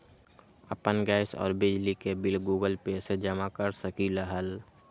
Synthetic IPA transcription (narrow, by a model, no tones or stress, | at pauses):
ə̰pənɡaːɪsɔ̰ːɾbɪd͡ʒlikebɪlɡuːɡəlpeːsed͡ʒəmakəɾsəkiləɦəl